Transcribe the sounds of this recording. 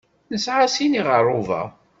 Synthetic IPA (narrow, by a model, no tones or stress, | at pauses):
nəsʕasiniʁəɾˤːʊvɑ̰